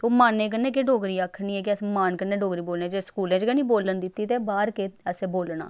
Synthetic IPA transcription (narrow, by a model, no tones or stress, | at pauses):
t̪oːmaːnːẽːk̬ənːeːk̬eɖoːɡɾiːaːkʰːniːɛːk̬ɪəsmaːnkənːeːɖoːɡɾiːboːlneːd͡ʒeːskuːlẽːd͡ʒɡənĩːboːlənd̪ɪt̪ːiːt̪eːbaːɾkeːəsẽːboːlna̰ː